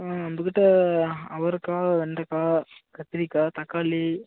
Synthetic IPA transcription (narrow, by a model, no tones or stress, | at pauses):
ɐnb̪ɯkːɪʈːɐɐʋɐɾɯkaːʋɛɳɖɐkaːkɐt̪ːɪɾikːaːt̪ɐkːaːli